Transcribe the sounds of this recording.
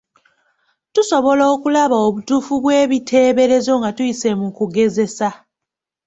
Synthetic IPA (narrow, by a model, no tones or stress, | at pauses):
tuso̞βo̞loːkulaβaoβutufuβwe̞ːβitʰe̞ːβe̞ɾe̞zo̞ŋɡatujise̞mukuɡe̞ze̞sa